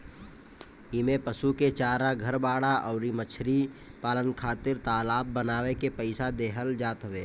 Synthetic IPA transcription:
imepəsuket͡ʃaːɾaɡʱəɾbaːɽaʔɔːɾimət͡ʃʰɾipaːlənkʰaːt̪ɪɾt̪aːlaːb̚ːənaːʋekepəɪsad̪eːɦəld͡ʒaːt̪ɦʊʋeː

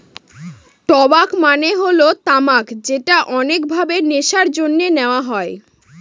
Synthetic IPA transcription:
ʈɔbakmaneɦolot̪amakd͡ʑeʈaʔɔnek̚bʱabeneʃaɾd͡ʑonːeneoaɦɔe

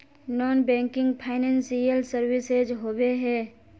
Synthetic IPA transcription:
nɔːnbɛ̃ːŋkɪ̃ŋɡpʰaːɪnɛ̃ːnsijəlsəɾwɪsed͡ʒɦoːweɦɛː

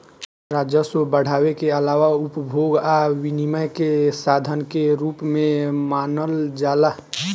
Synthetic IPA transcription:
ɾaːd͡ʒjəsobəɽ̤aːwekeəlaːʋaupbʱoɡaʋiniməjkesaːd̪ʱənkeɾupmẽmaːnəld͡ʒaːla

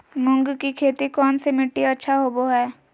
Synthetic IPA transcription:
mʊ̃ŋɡkikʰeːt̪ikɔːnsemɪʈːiɐtːʃʰaɦoːboɦɛː

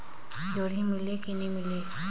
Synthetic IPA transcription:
d͡ʒoɾimilekinimile

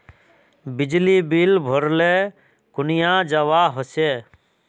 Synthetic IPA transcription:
bɪd͡ʒlibiːlbʱoɾleː | kʊnɪjãːd͡ʒəʋaːɦɔseː

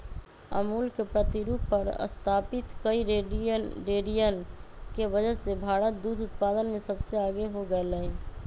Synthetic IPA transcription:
ə̰muːlkepɾət̪iɾupəɾə̰st̪ʰaːpɪt̪kəiɾeɖiəɾeːɖijənkeʋəd͡ʒəsebʱaːɾət̪̚d̪uːd̪ʱʊt̪̚paːd̪ənmẽsəbseaːɡeɦoɡəeləe

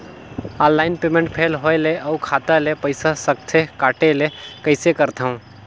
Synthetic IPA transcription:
ɔ̃ːnːaːɪnpeːmẽɳʈ̚pʰeːlɦoeleʔəukʰaːt̪alepəɪsasək̚t̪ʰekaːʈelekəɪsekəɾt̪aɦũ

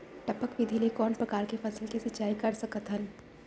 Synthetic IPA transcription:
ʈɐpəkʋɪd̪ʱilekɔːnpɾɐkaːɾkefɐsəlkisɐtːt͡ʃaːikɐɾsɐkət̪ɦɐn

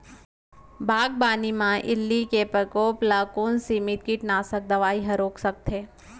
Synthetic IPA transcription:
bʱaːɡ̚baːnimãʔɪ̰lːikepɾəkoːplakoːnsimɪt̪̚kiʈnaːsək̚d̪ɐʋaːiɦɐɾoːksək̚t̪ʰeː

